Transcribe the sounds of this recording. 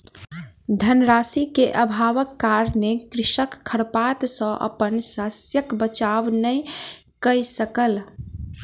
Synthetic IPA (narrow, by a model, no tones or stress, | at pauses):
d̪ʱənɾasikeʔəbʱaʋəkːaɾnekɾɪʃəkʰːəɽpat̪sə̃ʔə̰pənsasjəkbət͡ʃabnəj | kəjsəkəl